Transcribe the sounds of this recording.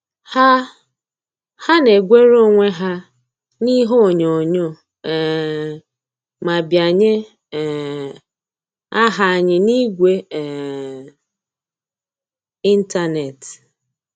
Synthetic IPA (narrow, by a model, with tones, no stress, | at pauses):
ha˦ | ha˦ne˨ɡʷe˦ɾo˦ŋʷe˦ɦa˦ | ni˦ɦo˦˨ɲo˨ɲo˦˨ | ma˨bja˨ɲe˦˨ | a˦ɦa˦˨ɲɪ˦ni˦ɡʷe˦˨ | i˦n̩˦ta˦ne˨t